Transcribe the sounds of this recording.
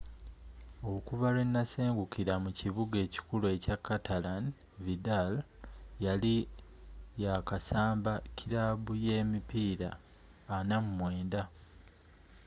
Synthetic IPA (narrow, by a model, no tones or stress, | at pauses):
o̞kuβalwenːase̞ːŋɡukiɾamuciβuɡe̞ːci̥kulue̞cakːatʰalan | vidal | jali | jakasaːmbacʰiɾaβuje̞ːmipiːɾa̰ː | namumwe̞ːnda